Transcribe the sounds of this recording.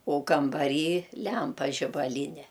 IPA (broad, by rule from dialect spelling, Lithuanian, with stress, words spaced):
oː kɐmbɐˈrʲiːˈlʲɛmpɐ ʒʲɪbɐˈlʲiːnʲɛ